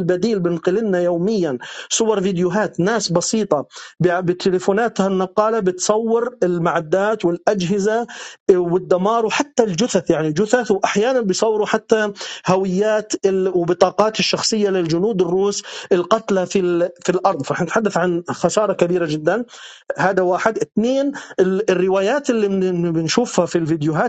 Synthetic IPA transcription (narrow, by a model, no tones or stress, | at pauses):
lbad̪iːlbɪnqɪlɪnnajoːmɪjːansˤʊwɑɾˤvid̪jʊɦaːt̪naːsbɑsiːt̪ˤɑbbɪt̪ʰɪlɪfuːnaːt̪hanːɑqːɑːlabɪt̪sˤɑwːɪɾɪlmaʕad̪ːaːt̪wɪlʔad͡ʒɦɪzawɪd̪ːamɑːɾˤwħat̪ːald͡ʒʊθaθjaʕnild͡ʒʊθaθwʔaħjaːnanbɪjsˤɑwːɾuħat̪ːahawɪjːaːt̪ɪwbɪt̪ˤɑːqɑːt̪ɪʃːɑxsˤɨjːalɪld͡ʒʊnuːd̪ɪrːuːsʔɪlqɑt̪lafifilʔɑɾˤd̪ˤfɑɾˤɑːħnɪt̪ħad̪ːaθʕanxasɑːɾˤɑkabiːɾad͡ʒɪd̪ːanhaːd̪awaːħɪd̪ʔɪt̪neːnɪɪrːɪwaːjaːt̪ɪlːibɪnʃuːfhafilvid̪juɦaːt̪